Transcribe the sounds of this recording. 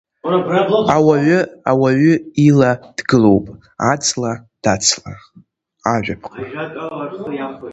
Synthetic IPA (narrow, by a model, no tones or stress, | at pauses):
awaʕʊa̰waɥʏilad̥ɡɨlo̞wpʼ | at͡sʰʼlad̥at͡sʰla | aʕᶣʷapʰka